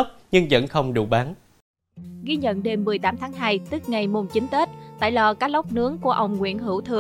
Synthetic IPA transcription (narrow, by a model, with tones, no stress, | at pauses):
wk͡p̚ɲɨ˧ŋzə̰˧˥nxə˧wŋ͡mɗṵ˧˩ɓaː˨˦n | ɣi˧ɲə̰˧˨nɗe˧mːɨ˨˩əjt̪aː˨˦mt̪ʰaː˨˦ŋɦaː˧jt̪ɨ˦˥k̚ŋa˨˩jmo˨˩nt͡ɕï˨˦ŋ̟t̪e˦˥t̚t̪a̰ː˧˨jlɔ˨˩kaː˦˥k̚lə˦˥wk͡p̚nɨ˨˦əŋku˧˩əʔə˧wŋ͡mŋwḭ˧˥ənɦɨ˧˩wt̪ʰɨ˨˩